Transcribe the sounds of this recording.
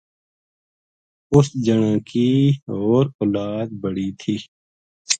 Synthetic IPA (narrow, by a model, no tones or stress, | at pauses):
ʊsd͡ʒəɽ̃ãːkiɦoːɾoːlaːd̪̚bəɽiːt̪ʰiː